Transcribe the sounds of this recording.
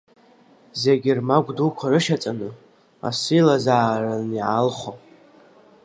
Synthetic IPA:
zeɡʲɪrmaɡʷdukʷʰarɨʃat͡sʼanɨ | a̰silazaːraniʕalχʷo

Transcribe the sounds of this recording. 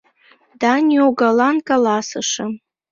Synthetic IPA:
danjoɡalankʼalasaʂa

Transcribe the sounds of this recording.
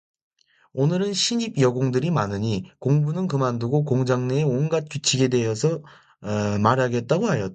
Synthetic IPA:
onɯɾɯnɕʰiɲibjʌɡoŋdɯɾimanɯɲikoŋbunɯnkɯmanduɡokoŋd͡ʑaŋneeonɡat̚k͈jut͡ɕʰiɡe̞de̞ɦʌsʰʌ | maɾɦaɡe̞t̚t͈aɡoɦajʌt

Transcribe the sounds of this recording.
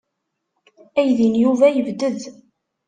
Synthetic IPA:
æjðinjuvæjəvd̪əð

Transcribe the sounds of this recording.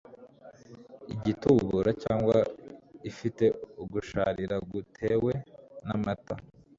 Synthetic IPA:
iɟituːβuɾacaːŋɡwaifite̞uɡuʃaɾiɾaɡutʰe̞we̞namata

